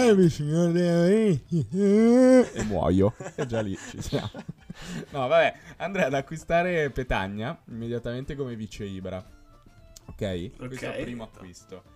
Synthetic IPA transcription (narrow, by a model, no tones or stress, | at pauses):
bisiɲoɾd̪ei | ḛmːwɔ̰joɛd͡ʒːalːit͡ʃḭsja̰monɔvabɛand̪ɾɛad̪akːwist̪aːɾepet̪a̰ɲːaimːed̪jat̪ament̪ekomevit͡ʃːeiːbeɾa | okɛjwespɾiːmoakːwist̪o